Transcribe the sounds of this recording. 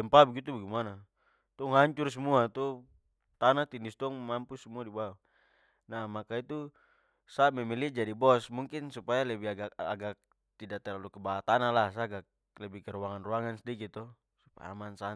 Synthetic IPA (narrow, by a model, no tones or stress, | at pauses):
ɛmpabɡit̪ubɛɡimana | t̪ɔŋɦaɲt͡ʃursumuat̪u | t̪anat̪indist̪ɔŋmampusumuadibawa | namakait̪u | samɛmilid͡ʒadibɔsmuŋkinsupajalɛbiɡaaɡak̚ | t̪idat̪ɛlalukɛbaat̪analas̬aɡak̚ | lɛbikɛɾuwaŋanruaŋansdikit̪ɔ | supa̰ja̰mansa